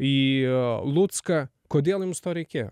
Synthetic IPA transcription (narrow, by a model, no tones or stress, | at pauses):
i | lˠut̪skɐ | koːd̪ʲeːlˠjɪmst̪oːɾʲɛɪkʲeːjo̰